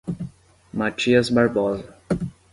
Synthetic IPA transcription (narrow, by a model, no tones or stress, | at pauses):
mat͡ʃisbaɾbɔːz